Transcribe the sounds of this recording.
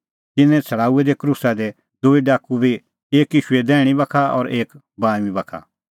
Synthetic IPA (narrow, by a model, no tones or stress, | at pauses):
t̪ɪnːɛ̃t͡sʰɐɽaːuɛd̪ɛkɾusad̪ɛ | d̪ʊiɖaːkubʱi | eːkɪʃued̪ɛːɽ̃ibɐkʰaɔ̰ːɾeːk | baːmibɐkʰa̰